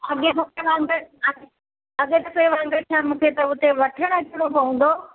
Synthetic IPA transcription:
ɐɠet̪ɐkeʋãːŋɡəɾɐ | ɐɠet̪ɐkɐeʋãːŋɡəɾt͡ʃʰaːmũːkʰet̪ɐʊt̪eʋɐʈʰəɽ̃ɐkʰʊɽopɐũːn̆d̪oː

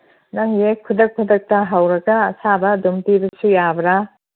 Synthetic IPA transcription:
nɐŋjekʰːudɐkʰudɐk̚tɐɦɐwɾɐɡɐːsabɐdumtibɐsujabɾa

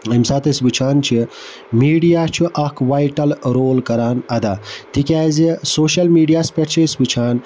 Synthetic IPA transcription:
emsaːt̪ɐsbɨt͡ʃʰaːnt͡ʃʰi | miːɖijaːt͡ʃʰuʔɐkʰʋaːjʈɐlɾoːlkɐɾaːnɐd̪aːt̪ikʲaːzisoːʃɐlmiːɖijaːspʲeʈt͡ʃʰisbɨt͡ʃʰaːn

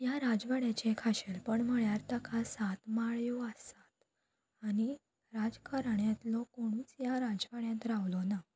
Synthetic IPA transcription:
jaɾad͡zʋaɽjat͡ɕekʰaɕelpəɳm̤əɭjaɾt̪akʰasat̪maɭjuəsat̪̚ | aɽ̃i | ɾad͡zkaɾɳjãt̪lɔkoɽ̃uːt͡sjaɾad͡zʋaɽjãt̪ɾaʋlɔna

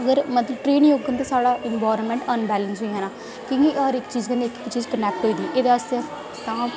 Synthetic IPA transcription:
əɡəɾmət̪ləb̚ʈɾeːnjoːɡənt̪asaːɽaːʔɪnbaːɾənmɛ̃ːɳʈənbɛːlənsoiɦɛnaː | kĩːɡiʔɔɾɪkt͡ʃiːzkə̃nd̪iːkːkt͡ʃiːzkənɛːk̚ʈɦoiːd̪iːʔeːd̪eaəst̪e | t̪ãː

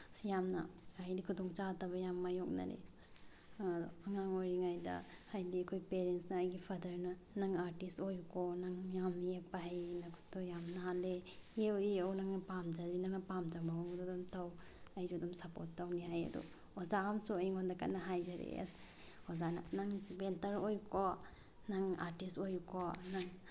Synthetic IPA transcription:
sjamna̰ajdikʰudɔŋt͡ʃatɐβɐjamːajok̚nɐ̰ɾḛs | dɔ̰ɐŋaŋojɾiŋajdɐ̰ | hajdiɐkʰojpeɾensnɐːjɡipʰɐdɐɾnɐ | nɐŋaɾtistojukonaŋjamnɐjek̚paɦajnakʰu̥tɔjamnaaleeoeownaŋɐpamd͡ʒaɾinaŋɐpamd͡ʒabaɔŋdɔdɔmtʰaw | ajd͡ʒud̪ɔmsɐpotːawniɦajɐ̰dɔ̰ | ɔzamsuajŋɔndaka̰naɦajd͡ʒaɾḛs | ɔzana̰naŋbentɐɾojukɔ | naŋa̰ɾtistojukonaŋ

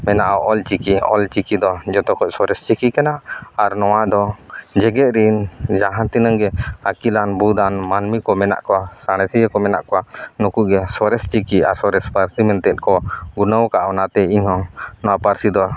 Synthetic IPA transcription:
mɛnaʔaʔɔlt͡ʃikiɔ̰lt͡ʃikid̪ɔd͡ʒɔt̪ɔkɔʔsɔɾɛst͡ʃikikɛnaaɾnɔwad̪ɔd͡ʒɛɡɛt̪̚ɾind͡ʒaɦãt̪inaŋɡɛakilanbud̪anmanmikɔmɛna̰ʔkɔwasaɽ̃ɛsiəkɔmɛna̰ʔkɔwanukuɡɛsɔɾɛst͡ʃikiaɾsɔɾɛspaɾsimɛnt̪ɛt̪̚kɔɡunəwkaʔɔwnat̪ɛiɲhɔ̃nɔwapaɾsid̪ɔ

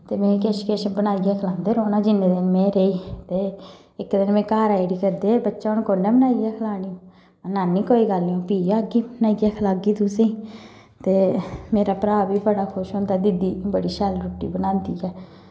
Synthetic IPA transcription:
t̪eːmɛ̃ːkeːʃkeːʃbənaːiɡɛːkʰəlãːnd̪eːɾoːnaːd͡ʒɪnːeːd̪ɪnmẽːɾeːiːt̪eː | ɪkːd̪ənmɛ̃ːkaːɾaːiɽiːkəɾd̪eːbətːʃaːʊnkoːnːeːbənaːiɡɛːkʰəlaːniːõː | naːnːĩːkoːiːɡəlːõːpiːjaːɡiːbnaːiɡɛːkʰəlaːɡiːt̪ʊsẽː | t̪eːmeːɾaːpɾaːbiːbəɽaːkʰʊʃɦoːnd̪aːd̪ɪd̪iːbəɽiːʃɛlɾuːʈːḭːbənãːnd̪iːɛː

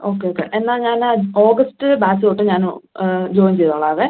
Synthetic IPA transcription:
o̞ːkːeoːkːḛʔenːaːlɲaːnaoːɡɐstɨbaːsɨoʈːɨɲaːnud͡ʑo̞ːimt͡ɕejt̪oːɭɐɐʋe

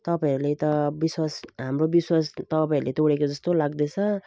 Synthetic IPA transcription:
t̪ʌpaĩʌɾulet̪ʌbiswasɦamrobiswast̪ʌpaĩɾulet̪oɽekod͡zʌst̪olaɡd̪et͡sʰʌ

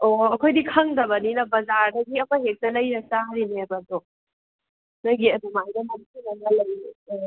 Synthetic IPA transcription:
oɐkʰojdikʰɐŋdɐβɐninɐbɐzaɾdɐɡiɐmɐɦek̚nɐlɐjɾɐsaɦaɾinebɐdo | nɐɡiɐdumajdɐmɐnkinɐnɐlɐjeo

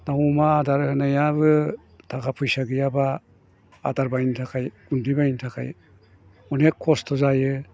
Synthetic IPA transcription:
dawmaːdaɾhɯnajaβɯ | tʰakʰapʰujsaɡɯjaba̰ː | daɾbajntʰakʰajɡundibajintʰakʰa̰j | ɔnekʰːɔstʰɔzajɯ

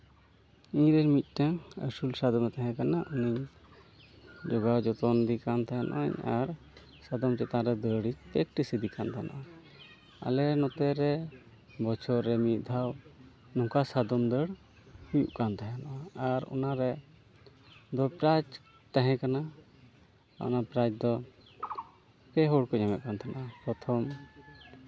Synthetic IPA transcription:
iɲɾɛɾmit̪̚ˀʈaŋə̰sulsad̪ɔmɛt̪aɦɛ̃kanaʔuniɲ | d͡ʒɔɡawd͡ʒɔt̪ɔnd̪ikant̪aɦɛnʔɔ̰ʔɔ̰ɲaɾ | sad̪ɔmt͡ʃɛt̪ãɾɛd̪əɽit͡ʃpɾɛk̚ʈisid̪ikant̪aɦɛnʔa̰ʔa | a̰lɛnɔt̪ɛɾɛ | bɔt͡ʃʰɔɾɾɛmiʔ̪̚d̪ʱaw | nɔŋkasad̪ɔmd̪əɽ | hujṵʔkant̪aɦɛnaʔaaɾɔ̰naɾɛ | d̪ɔpɾat͡ʃ | t̪aɦɛ̃kana | ɔ̰napɾat͡ʃd̪ɔ | kɛɦɔɽkɔɲamɛʔ̪̚kant̪ʰanaʔapɾɔt̪ʰɔm

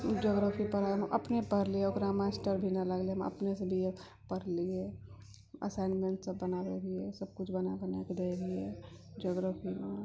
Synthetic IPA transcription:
d͡ʒoːɡɾaːpʰipəɾãʔɐpnepəɾlieoɡɾamasʈəɾbʱinaləɡlem̰ɐ̰pnesebʱie | pəɾlie | ə̰saɪnmẽɳʈsɐbːənaɾeɾiesɐb̚kʊt͡ʃʰbɐnabənaked̪eːlie | d͡ʒoːɡɾaːpʰimã

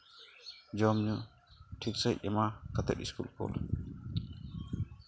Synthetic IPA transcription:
d͡ʒɔmɲu | ʈʰik̚səjɛmakat̪ɛ̰t̪iskulkʰo̰l

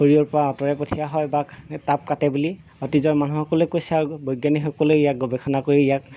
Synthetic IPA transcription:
hoɹiɔɹpɔɹaɔtɔɹɛpotʰijaɦɔjbatap̚katɛbuli | ɔtizɔɹmanuhɔkɔlɛjkojsɛaɹubojɡjanixɔkɔleijak̚ɡɔbɛxʰɔnakoɹiijak

